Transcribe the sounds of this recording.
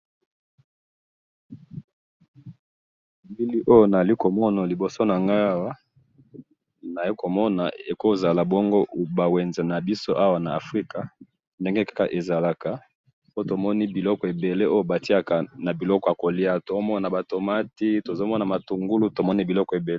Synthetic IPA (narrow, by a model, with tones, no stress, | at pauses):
mbi˦li˦ʔo˦jo˦na˨li˦ko˨mɔ˦na˨li˨bo˨so˦na˨ŋɡa˦a˦wa˦ | na˨i˦ko˨mɔ˦na̰˨e˨ko˦za˨la˨bɔ˦ŋɡo˦ba˨we˨nza˨na˨bi˦so˦ʔa˦wa˨na˨a˨fʁi˦ka˨ | nde˦ŋɡe˦kḁ˦ka̰˨ʔe˨za˨la˨ka˨ | po˦to˨mɔ˦ni˦bi˨lɔ˦kɔ˨e˨be˨le˦o˦jo˦ba˨ti˦a˦ka˨na˨bi˨lɔ˦kɔ˨ja˨ko˨li˦a˨to˨˦mɔ˦na˨na˨ba˨to˨ma˦ti˦to˨zo˦mɔ˦na˨ma˨tu˨ŋɡu˦lu˦to˨mɔ˦ni˦bi˨lɔ˦kɔ˨e˨be˨le˦